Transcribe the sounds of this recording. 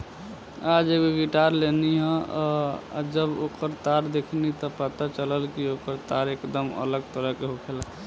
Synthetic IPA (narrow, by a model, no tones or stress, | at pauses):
ad͡ʒeɡoɡiʈaɾleniɦə̰̃ | d͡ʒəbokəɾt̪aɾd̪ekʰnit̪ɔpət̪at͡ʃələlkiokəɾt̪aɾekd̪əmə̰ləɡ̚t̪əɾəɦkeɦokʰela